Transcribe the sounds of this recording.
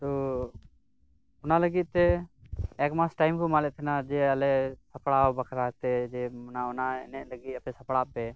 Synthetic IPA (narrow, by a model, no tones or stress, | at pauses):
t̪ɔ | ʊnaləɡit̪̚t̪ɛ | ɛkmasʈajmkɔmalɛt̪ʰɛnad͡ʒɛəlɛsapɽawbakʰɾat̪ɛd͡ʒɛnaɔnaɛ̰nɛʔ̚ləɡit̪̚ˀapɛsapɽapɛ